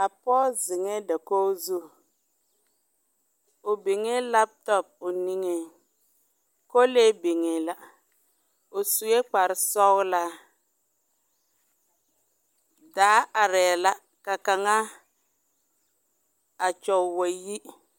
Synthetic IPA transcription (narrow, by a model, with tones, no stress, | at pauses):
a˨pɔ˦zɪ˨ŋe˦da˨ko˦zu˦ | o˨be˨ŋe˦la˦p̚tɔ˦˨p̚ʊ˨ni˦ŋe˦˨ | ko˦le˦be˨ŋe˨la˦ | o˨su˨e˦k͡pa˨ɾɪ˦sɔ˦ɣla˦ | daː˨˦a˨ɾɛː˨la˦ | ka˨ka˨ŋa˦ | a˨t͡ʃɔ˨we˨ji˦